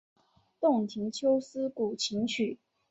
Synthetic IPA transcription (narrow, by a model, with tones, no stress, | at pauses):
t̪ʊ˥˩ŋt̪ʰi˧˥ŋt͡ɕʰjo˥ʊsɹ̩˥ku˨˩t͡ɕʰi˧˥ŋt͡ɕʰy˨˩